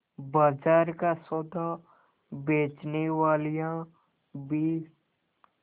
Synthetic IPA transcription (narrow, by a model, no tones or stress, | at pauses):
bad͡ʒaːɾkasod̪a | beːt͡ʃneʋaːlijã | bi